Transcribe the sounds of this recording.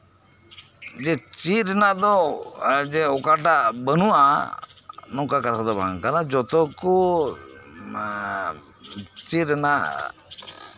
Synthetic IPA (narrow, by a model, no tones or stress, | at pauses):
d͡ʒɛt͡ʃiɾɛnad̪ɔ | d͡ʒɛɔkaʈaʔbənua | nɔkakat̪ʰad̪ɔba̰ŋkalad͡ʒɔt̪ɔku | t͡ʃiɾɛna